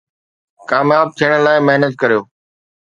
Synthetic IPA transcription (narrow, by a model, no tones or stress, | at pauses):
kaːmjaːb̚t̪ʰijəɽ̃laːɪmeɦnət̪̚kɐɾijoː